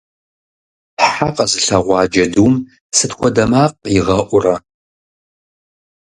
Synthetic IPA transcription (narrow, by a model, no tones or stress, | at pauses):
ħaqʼɐzɨɬɐʁʷɑːd͡ʒɐduːm | sɨtxʷɔdɐmaːq̚ʼjɪʁɐʔʷʊrɐ